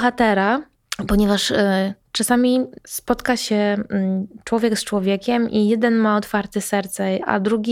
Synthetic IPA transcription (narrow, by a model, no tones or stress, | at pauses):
xat̪ɛɾa | pɔɲɛvaʂt͡ʂasamʲispɔt̪kaɕɛ | t͡ʂwɔvʲjɛkst͡ʂwɔvʲjɛkʲɛmʔijɛd̪ɛnmaɔt̪faɾt̪ɘsɛɾt̪sɛa̰d̪ɾuɡʲi